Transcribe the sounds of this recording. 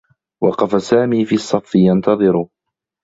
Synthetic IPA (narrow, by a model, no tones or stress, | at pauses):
wɑ̰qɑfasaːmiːfiːɑsˤːɑfːɪjant̪ɑðˤɨɾʊ